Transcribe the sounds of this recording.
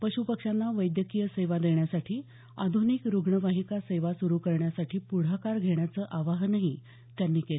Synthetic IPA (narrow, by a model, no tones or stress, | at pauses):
pəɕupəkʂanːaʋəjd̪jəkijəseʋad̪eɳjasaʈʰiː | a̰d̪ʱunikɾuɡɳəʋaɦikaseʋasuɾuːkəɾɳjasaʈʰiːpuɽ̤akaɾɡʱeɳjat͡səːʔaʋaɦnaɦi | t̪janːiːkel